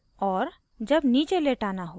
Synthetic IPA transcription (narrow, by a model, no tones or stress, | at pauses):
ɔːɾ | d͡ʒəbniːt͡ʃeleʈaːnaɦo